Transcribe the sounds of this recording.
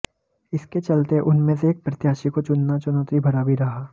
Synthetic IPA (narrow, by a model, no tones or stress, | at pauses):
ɪsket͡ʃɐlt̪eʔʊnmẽseeːk̚pɾɐt̪jaːʃikot͡ʃʊnːat͡ʃʊnəːt̪ɾibʱɐɾaːbiɾɐɦaː